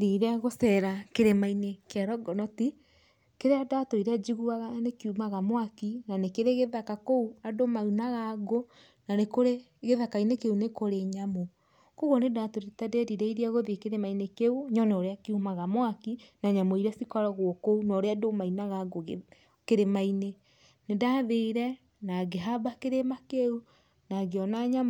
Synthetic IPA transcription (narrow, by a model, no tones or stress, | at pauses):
ɾiɾeaɣosɛɾakeɾemainekaɾɔɡɔnɔti | keɾeadaːtoiɾead͡ʒiɣuaɣanekiumaɣamwakinanekeɾeɣeðakakouadomaunaɣaɡo | nanekoɾe | ɣeðakainekeunekoɾeɲamo | koɣɔnedatoɾetadeɾiɾɛiɾiaɣoðekeɾemainekeuɲɔneoɾeakiumaɣamwakinaɲamoiɾɛsikɔɾɔɣwɔkounɔɾeadomainaɣaɡoɣ | keɾemaine | nedaːðeɾɛ | naɡeɦabakeɾemakeu | naɡeɔnaɲa